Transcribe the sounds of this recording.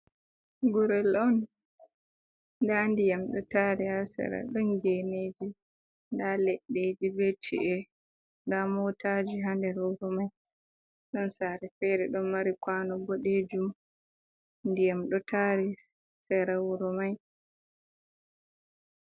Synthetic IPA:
ɡɔɾɛlɔn | dandijamɗɔtaɾiasɛ̰ɾa̰ɗɔnɡened͡ʒi | ndalɛɗːed͡ʒibetʰḭʔɛ | ndamɔtad͡ʒiɦandɛɾwuɾɔmaj | ɗɔnsaɾɛfɛɾɛɗɔnmaɾikwanɔboɗed͡ʒum | ndijamɗɔtaɾi | sɛɾawuɾɔmaj

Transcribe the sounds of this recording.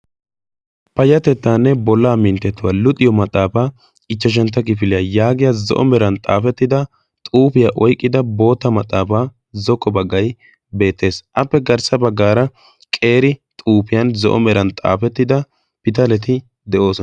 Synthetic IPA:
pɐjɐt̪ɛt̪ːaːnːɛbɔlːaːmɪnt̪ːɛt̪ːʊwalʊt̪ʼɪjɔmɐt̪ʼːaːfaː | ɪt͡ʃːɐʃ̬ɛnt̪ːɐkɪfɪlɪjɐjaːɡɪjɐzɔ̰ʔɔ̰mɛɾɐnt̪ʼa̰ːfɛt̪ːɪd̪ɐ | t̪ʼuːfɪjaʔɔjkʼːɪd̪ɐbo̞ːt̪ːɐmɐt̪ʼːaːfaː | zɔkʼːɔbɐɡːɐj | be̞ːt̪ːe̞ːsʔɐpːɛɡɐɾsɐbɐɡːaːɾɐ | kʼe̞ːɾɪt̪ʼuːpɪjɐnzɔ̰ʔɔ̰mɛɾɐnt̪ʼa̰ːfɛt̪ːɪd̪ɐ | pɪt̪ɐlɛt̪ɪ | d̪ɛʔo̞ːsɔ

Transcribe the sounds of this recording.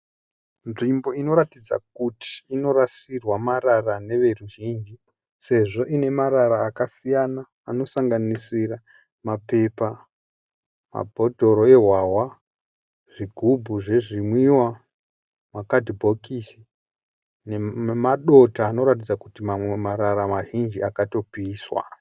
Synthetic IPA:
nʐimbo̞ino̞ɾatid͡za̰k̚utʰi̥ːno̞ɾasirwamaɾarane̞ʋe̞ruʒiːnd͡ʒi | se̞ʐo̞ʔine̞maɾaɾaːkasijanaːno̞saŋɡanisira | mape̞pa | ma̰bʱo̞dʱo̞ɾo̞e̞ɦwawa | ʐ̥iɡʱubʱuʐe̞ʐimwiwa | makadʱibʱo̞kisi | neemaɗo̞taːno̞ɾat̬id͡zakutimamwe̞maɾaɾamaʒind͡ʒiakato̞piːswa̰

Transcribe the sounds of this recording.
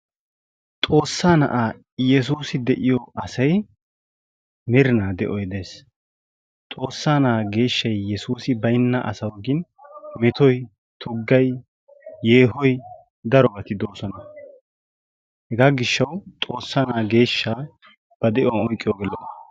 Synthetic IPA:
t̪ʼo̞ːsːaːnɐ̰ʔaː | jɛs̬uːsɪd̪ɛʔɪjɔʔɐsɐj | mɪɾɪnaːd̪ɛʔɔjd̪e̞ːs | t̪ʼo̞ːsːaːnɐːɡe̞ːʃːɐjːɛsuːsɪbɐjɪnːɐʔɐ̰sɐwɡɪn | mɛt̪ɔj | t̪ʰʊɡːɐjː | e̞ːɦɔj | d̪ɐɾɔbɐt̪ɪd̪oːsɔnɐ | hɛɡaːɡɪʃːɐwt̪ʼo̞ːsːaːnaːɡe̞ːʃːaː | b̥ɐd̪ɛʔɔwɐnɔjkʼːɪjɔɡɛlːɔnɐ

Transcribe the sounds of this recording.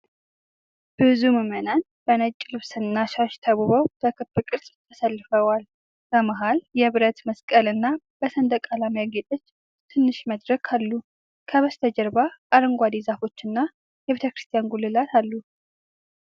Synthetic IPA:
b̥ɨzuməmənan | b̥ənət͡ʃʼːlɨβsɨnːaʃaʃt̪ʰəβuβəwb̪̥əkʰɨbːɨkʼɨɾsʼt̪ʰəsəlːɨfəwal | b̥əmaɦaljɛβɨɾət̪məskʼəlɨnːa | b̥əsənd̪əkʼalamjaɡe̞t̪ʼot͡ʃː | t̪ʰɨnːɨʃməd̪ɾəkʰalːu | kʰəβəst̪ʰəd͡ʒəɾbaʔaɾɨŋɡʷad̪izafo̞t͡ʃːɨnːa | jɛβet̪ʰəkɾɨst̪ʰijanɡulːɨlat̪ʰalːu

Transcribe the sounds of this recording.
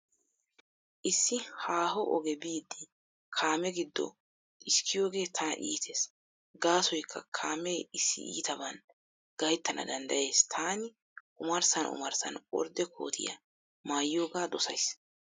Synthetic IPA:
ʔɪsːɪhaːhɔʔɔɡɛbiːd̪ːɪ | kʰaːmɛɡɪd̪ːɔ̰ | ɪskːɪjo̞ːɡe̞ːt̪ʰɐʔiːt̪ʰeːs | ɡaːsɔjkʰːɐkʰaːmeːɪsːɪ̰ḭːt̪ɐbɐn | ɡ̥ɐjɪt̪ːɐnʔɐ̰d̪ɐnd̪ɐje̞ːst̪ʰaːnɪ | ʔʊmɐɾsɐnʊ̰mɐɾsɐ̰nɔ̰ɾd̪ɛkʰo̞̰ːt̪ʰɪjɐ̰ | maːjːo̞ːɡaːd̪ɔsɐjs

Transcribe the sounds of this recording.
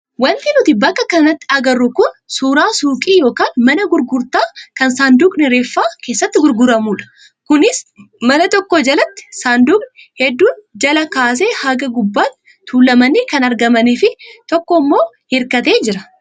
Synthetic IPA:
wɐnt̪ɪnʊt̪ɪbɐkːɐkɐnɐt̪ːɪɐɡɐrːʊkʊnsuːɾaːsuːkʼiːjo̞ːkaːnmɐnɐɡʊɾɡʊɾt̪aːkɐnsaːnd̪uːkʼnɪɾe̞ːfːaːke̞ːsːɐt̪ːɪɡʊɾɡʊɾɐmuːᶑɐ̥ | kʊnɪs | mɐnɐt̪ɔkːod͡ʒɐlɐt̪ːɪ̥saːnd̪uːkʼnhɛd̪ːuːnd͡ʒɐlɐkaːs̬e̞ːhɐɡɐɡʊbːaːt̪ | t̪ʰuːlːɐmɐniːkɐnɐɾɡɐmɐniːfɪt̪ɔkːɔmːo̞ː | hɪɾkɐt̪e̞ːd͡ʒɪɾɐ̥

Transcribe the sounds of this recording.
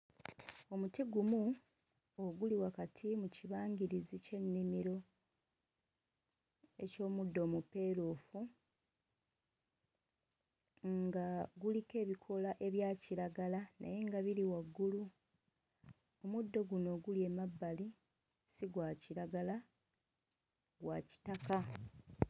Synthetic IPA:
o̞mutiɡumu | oɡuliwakatʰimuciβaːɲɡiɾizice̞nːimiɾo̞ | e̞̰co̞ːmudːo̞ːmupe̞ːɾoːfu | ŋɡaɡulike̞ːβikʰo̞laʔe̞βjaːciɾaɡalanʔa̰je̞ŋɡaβiliwaɡːulu | o̞mudːo̞ɡuno̞ɡulje̞mabːali | siɡwaciɾaɡala | ɡwa̰ci̥taka

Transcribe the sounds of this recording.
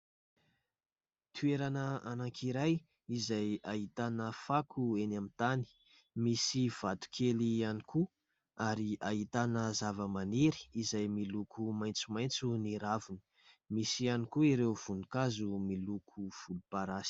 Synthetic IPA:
t̪ʰueɾanəanaŋkʰiɾaj | izajaɦit̪anəfakʰuenamint̪ani̥ | misiv̥at̪u̥kʰelianiku | aɾiaɦit̪anəzavəmaneɾi̥ːzajmilukʰumajnt͡sumajnt͡suniɾavunə̥ | misianikuiɾewv̥unukazumilukʰuv̥ulupaɾasi̥

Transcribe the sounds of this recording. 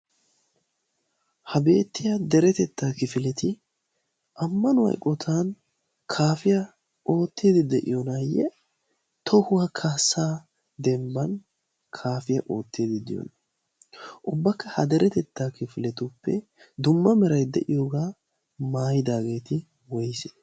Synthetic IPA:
hɐbe̞ːt̪ːɪjad̪ɛɾɛt̪ɛt̪ːaːkɪfɪlɛt̪ɪ | ʔɐmːɐnʊwɐ̰jkʼːɔt̪ʰaːn | kʰaːfɪjɐ | o̞ːt̪ːeːd̪ɪd̪ɛʔɪjɔnajːɛ | t̪ʰɔhʊwakʰaːsaː | d̪ɛmbɐn | kʰaːfɪjɐʔo̞ːt̪ːiːd̪ɪd̪ɪ̰jɔ̰nɐ | ʔʊbːɐkːɐhɐd̪ɛɾɛt̪ɛt̪ːaːkɪfɪlɛt̪ʊpːɛ | d̪ʊmːɐmɛɾɐjd̪ɛʔɪjoːɡaː | maːjɪd̪aːɡe̞ːt̪ɪ | wɔjse

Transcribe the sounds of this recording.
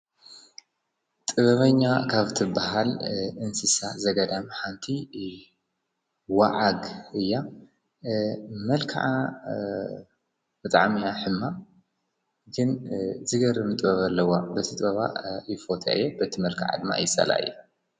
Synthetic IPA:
t̪ʼɨβɐβɐɲːakʰaβt̪ʰɨbaɦalɨnsɨsazɐɡɐd̪amħant̪ʰi | waʕaɡʔɨjːa | mɐlkʰa̰ʕa | b̥ɨt̪ʼaʕmijaħɨmːa | ɡɨnzɨɡɐɾɨmɨt̪ʼβɐβɐlːɐwabɐt̪ʰit̪ʼβɐβa̰jɪfot̪ʰa̰ʔɨ̰jːebɐt̪ʰimɐlkʰa̰ʕa̰d̪ɨma̰jɪsʼɐ̰la̰ʔɨ̰jːu

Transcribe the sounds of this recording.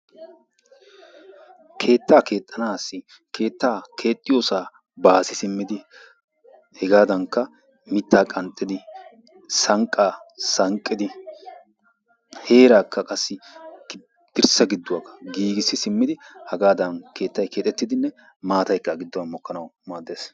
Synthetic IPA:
kʰe̞ːt̪ːaːke̞ːt̪ʼːɐnaːsːɪ | kʰe̞ːt̪ːaːkʰe̞ːt̪ʼːɪjo̞ːsaː | baːsɪsɪmːɪd̪ɪ | hɛɡaːd̪ɐŋkːɐ | mɪt̪ːaːkʼɐnt̪ʼːɪd̪ɪ | sɐŋkʼːaːsɐŋkʼːɪd̪ɪ | he̞ːɾaːkːɐkʼɐsːɪɡ | d̪̥ɪɾsɐɡɪd̪ːʊwakːɐ̥ɡiːɡɪsːɪsɪmːɪd̪ɪhɐɡaːd̪ɐnke̞ːt̪ːɐjkʰeːt̪ʼɛt̪ːɪd̪ɪnːɛ | maːt̪ɐjkːɐɡɪd̪ːɔwɐnmɔkːɐnɐwmaːd̪eːs

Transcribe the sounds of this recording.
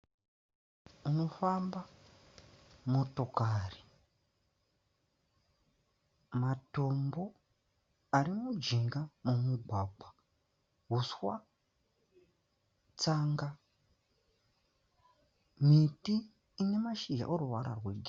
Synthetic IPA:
uno̞famba | mo̞to̞kari | mato̞mbo̞ | aɾimud͡ʒiŋɡamumuɡʱaːɡ͡bwa | ɦuswa | t͡saŋɡa | mitiː | ne̞maʃiʒa̰ʔoɾuʋa̰ɾa̰rweɡʱi

